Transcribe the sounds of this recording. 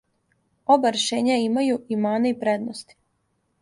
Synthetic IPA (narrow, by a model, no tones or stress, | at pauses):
o̞baɾeʃe̞ːɲaimajuʔimaːneipɾed̪nost̪i̥